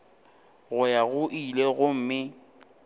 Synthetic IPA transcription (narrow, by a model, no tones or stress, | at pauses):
ɣʊjaɣʊʔileɣʊm̩mɪ